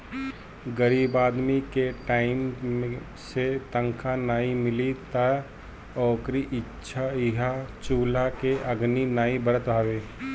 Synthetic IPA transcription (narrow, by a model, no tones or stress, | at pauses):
ɡəɾiːbaːd̪mikeʈaːɪm | set̪ə̃ŋkʰanaːĩmɪlit̪a | ɔːkɾiʔɪtːʃʰaɪɦat͡ʃuːlakeɐɡninaːĩbəɾət̪bʱaːʋeː